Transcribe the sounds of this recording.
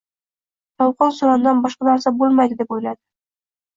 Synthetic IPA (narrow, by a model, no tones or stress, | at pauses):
t̪ʰɒlˠqɒnsoɾand̪anbɒʃqɑnaɾsabolˠmajd̪ɪd̪e̞pojlad̪ɪ